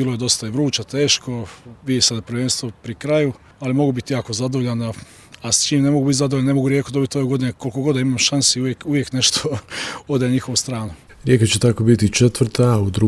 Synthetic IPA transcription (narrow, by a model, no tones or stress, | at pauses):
iloje̞d̪o̞st̪aiʋɾuːt͡ʃat̪e̞ːʃkʰo̞ʋid̪ʲesad̪apɾʋeːnst̪ʋopɾikɾaju | alimo̞ɡubit̪ijaːko̞zad̪oʋoʎana | ast͡ʃiːmne̞moɡubit̪zad̪ooanemo̞ɡuɾjeːkod̪obit̪io̞ʋeɡo̞d̪ineko̞lkoɡo̞d̪aimamʃansiujekuʋjekne̞ʃt̪ʰood̪aɲixo̞ʋost̪ɾaːno | ɾʲjekat͡ɕet̪akobit̪it͡ʃet̪ʋɾ̩t̪aud̪ɾu